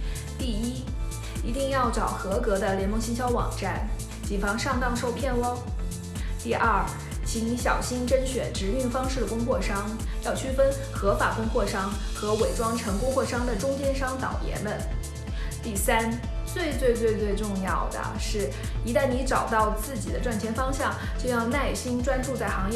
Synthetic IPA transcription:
t̪i˥˩i˥ | i˧˥t̪i˥˧ŋjɑ˥˩ʊʈ͡ʂɑ˨˩ʊxɤ˧˥kɤ˧˥d̪ə˧ljɛ˧˥nmə˥˧ŋɕi˥ŋɕjɑ˥ʊwɑ̰˨˩ŋʈ͡ʂa˥˩n | t͡ɕi˨˩fɑ˥ŋʂɑ˥˧ŋt̪ɑ˥˧ŋʂo˥˧ʊpʰjɛ˥˧nwɑ˥ŋ | t̪i˥˧ʔɐ˞˥˩ | t͡ɕʰi˧˥ni˧˥ɕjɑ˨˩ʊɕi˥nʈ͡ʂə˥nɕɥɛ˨˩nʈ͡ʂɻ̩˧˥y˥˩ŋfɑ˥ŋʂɻ̩˥˩d̪ə˩kʊ˥ŋxwɔ˥˩ʂɑ˥ŋ | jɑ˥˧ʊt͡ɕʰy˥fə˥n | xɤ˧˥fa˨˩kʊ˥ŋxwɔ˥˩ʂɑ˥ŋxɤ˧˥we˨˩ɪʈ͡ʂwɑ˥ŋʈ͡ʂʰɤ˧˥ŋkʊ˥ŋxwɔ˥˩ʂɑ˥ŋd̪ə˨ʈ͡ʂʊ˥ŋt͡ɕjɛ˥nʂɑ˥ŋt̪ɑ̰˨˩ʊjɛ̰˧˥nmə˧n | t̪i˥˩sa˥n | t͡swe˥˧ɪt͡swe˥˧ɪt͡swe˥˧ɪt͡swe˥˧ɪʈ͡ʂʊ˥˧ŋjɑ˥˩ʊd̪ə̰˩ʂɻ̩˥˩ | i˧˥t̪a˥˩nni˧˥ʈ͡ʂɑ˨˩ʊt̪ɑ˥˧ʊt͡sɹ̩˥˩t͡ɕi˨˩d̪ə˦ʈ͡ʂwa˥˩nt͡ɕʰjɛ˧˥nfɑ˥ŋɕjɑ˥˧ŋ | t͡ɕjo˥˧ʊjɑ˥˧ʊna˥˩ɪɕi˥nʈ͡ʂwa˥nʈ͡ʂu˥˧t͡sa˥˩ɪxɑ˧˥ŋjɛ˥

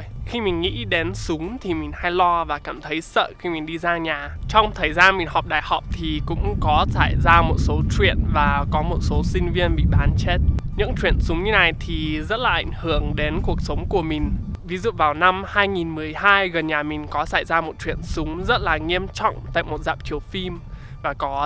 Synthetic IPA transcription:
xi˧mï˨˩ŋ̟ŋḭ˧˥ɗe˨˦nsʊ˨˦ŋ͡mt̪ʰi˨˩mï˨˩ŋ̟ha˧jlɔ˧vaː˨˩kaː˧˩mt̪ʰə˨˦jsə̰ː˧˨xi˧mi˨˩ŋ̟ɗi˧zaː˧ŋɲaː˨˩t͡ɕɔ˧wŋ͡mt̪ʰəː˨˩jzaː˧mi˨˩ŋ̟hɔ˨˩k͡p̚ɗa̰ː˧˨jhɔ˨˩wk͡p̚t̪ʰi˨˩kʊ̰˧˥ŋ͡mkɔ˨˦saː˧˩jzaː˧mo˨˩t̚so˨˦t͡ɕwḭ˧˨ənvaː˨˩kɔ˨˦mo˨˩t̚so˨˦sï˧ŋ̟vi˧ənɓḭ˧˨ɓaː˨˦nt͡ɕe˦˥t̚ɲɨ̰˧˥ŋt͡ɕwḭ˧˨ənsʊ˨˦ŋ͡mɲɨ˧na˨˩jt̪ʰi˨˩zə˦˥t̚laː˨˩ʔa̰˧˩jŋ̟hɨ˧˩əŋɗe˨˦nku˨˩ək̚sə˨˦wŋ͡mku˧˩əmï˨˩ŋ̟vi˨˦zṵ˧˨vaː˨˩wna˧mhaː˧jŋi˨˩nmɨ˨˩əjhaː˧jɣə˨˩nɲaː˨˩mï˨˩ŋ̟kɔ˨˦sa̰ː˧˩jzaː˧mo˨˩t̚t͡ɕwḭ˧˨ənsʊ˨˦ŋ͡mzə˦˥t̚laː˨˩ŋi˧əmt͡ɕɔ̰˧˨wŋ͡mt̪a̰ː˧˨jmo˨˩t̚zaː˨˩p̚t͡ɕi˧˩əwfi˧m | vaː˨˩kɔ˨˦

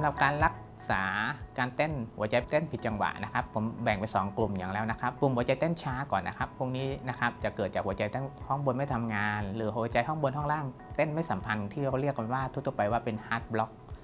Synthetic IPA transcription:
sa˩˦ɾa˨˩p̚kaː˧nɾa˦˥k̚ | saː˩˦kaː˧nt̪e˥˩nhu˩˦ət͡ɕa˧jt̪e˥˩npʰi˨˩t̪̚t͡ɕa˧ŋwa̰˨˩ʔna˦˥kʰa˦˥pʰːo˩˦mbɛ˨˩ŋpa˧jsɔː˩˦ŋklu˨˩mja˨˩ŋlɛː˦˥wna˦˥kʰa˦˥p̚ːu˩˦mhu˩˦t͡ɕa˧jt̪ɛː˥˩nt͡ɕʰaː˦˥kɔː˨˩nːʔa˦˥kʰa˦˥pʰːu˥˩əŋniː˦˥na˦˥kʰa˦˥p̚t͡ɕa˨˩kɤː˨˩t̪̚t͡ɕaː˨˩kwu˩˦t͡ɕa˧jt̪aː˥˩hɔ˥˩ŋbo˧nma˥˩jt̪ʰa˧mŋaː˧nlɯː˩˦ɦt͡ɕa˧jɦɔ˥˩ŋbo˧nɦɔ˥˩ŋlaː˥˩ŋ | t̪e˥˩nma˥˩jsa˩˦mpʰa˧nt̪ʰiː˥˩ɾa˧˩wɾi˥˩ək̚ːa˧waː˥˩t̪ʰu˦˥t̪ʰːpa˧jwaː˥˩pe˧nhaː˦˥t̪̚blɔ˦˥k̚

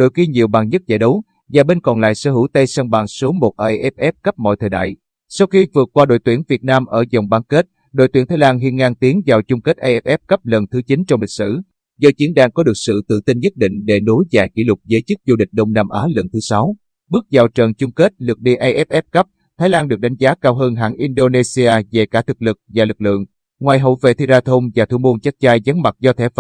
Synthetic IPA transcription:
ɗo̰˧˨jki˧ɲi˨˩əwɓaː˨˩ŋɲə˦˥t̚za̰ː˧˩jɗə˨˦w | zaː˨˩ɓe˧nkɔ˨˩nla̰ː˧˨jsə̰ː˧˩hɨ˧˥wt̪ə˧jsə˧nɓaː˨˩ŋsu˨˦mo˨˩t̚ʔa˧jʔɛ˦˥p̚ʔɛ˦˥p̚kə˦˥p̚mɔ̰˧˨jt̪ʰəː˨˩jɗa̰ː˧˨j | sa˧wxi˧vɨ˨˩ət̚kwaː˧ɗo̰˧˨jt̪wi˧˩ənvi˨˩ət̚naː˧mʔəː˧˩zə˨˩wŋ͡mɓaː˧˦ŋke˦˥t̚ | ɗo̰˨˧˨jt̪wi˧˩t̪ʰaː˨˦jlaː˧nɦḭ˧˨ənŋaː˧ŋt̪i˨˦əŋzaː˨˩wt͡ɕʊ˧ŋ͡mke˦˥t̚ʔa˧jʔɛ˦˥p̚ʔɛ˦˥p̚kə˦˥p̚lə˨˩nt̪ʰɨ˨˦t͡ɕi˨˦nt͡ɕɔ˧wŋ͡mlï˨˩k̚sɨ̰˧˨ | zɔ˧t͡ɕi˨˦ənɗaː˧ŋkɔ˨˦ɗɨ˨˩ək̚sɨ̰˧˨t̪ɨ̰˧˨t̪i˧nɲə˦˥t̚ɗḭ˧˨ŋ̟ɗe˧˩ɗo˨˦jza̰ː˧˩jkḭ˧˩lʊ˨˩k͡p̚zəː˨˦jt͡ɕɨ˦˥k̚zu˧ɗï˨˩k̟̚ɗə˧wŋ͡mnaː˧mʔaː˨˦lə˨˩nt̪ʰɨ˨˦sa˨˦w | ɓɨ˦˥ək̚zaː˨˩wt͡ɕəː˨˩nt͡ɕʊ˧ŋ͡mke˦˥t̚lɨ˨˩k̚ɗḭ˧˨ʔa˧jʔɛ˦˥p̚ʔɛ˦˥p̚kə˦˥p̚ | t̪ʰa˨˦jlaː˧nɗɨ˨˩ək̚ɗa˨˦jŋ̟zaː˨˦kaː˧wɦəː˧nɦa̰ː˧˩ŋʔi˧nɗo˧ne˧si˧aː˧zḛ˧˨˩kaː˧˩t̪ʰɨ˨˩k̚lɨ˨˩k̚vaː˨˩lɨ˨˩k̚lɨ̰˧˨əŋ | ŋwaː˨˩jɦo̰˧˨vḛ˧˨˩t̪ʰi˧zaː˧t̪ʰo˧ŋ͡mvaː˨˩t̪ʰu˧˩mu˧ənt͡ɕa˦˥k̚t͡ɕaː˧jza˨˦ŋma˨˩t̚zɔ˧t̪ʰɛ˧˩˧

